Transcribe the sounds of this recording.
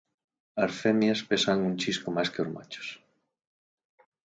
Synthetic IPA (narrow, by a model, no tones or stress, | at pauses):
aɾfemjaspesaŋunt͡ʃiskomajskeoɾma̰t͡ʃo̥s